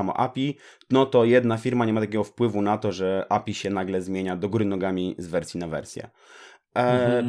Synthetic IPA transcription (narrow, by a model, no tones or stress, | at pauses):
amɔ̰ʔa̰pʲi | nɔt̪ɔjɛd̪nafʲiɾmaɲɛmat̪akʲɛɡɔfpwɘvunat̪ɔʐɛʔapʲiɕɛnaɡlɛzmʲjeɲad̪ɔɡuɾɘnɔɡamʲizvɛɾsʲjinavɛ̰ɾsʲjɛ̰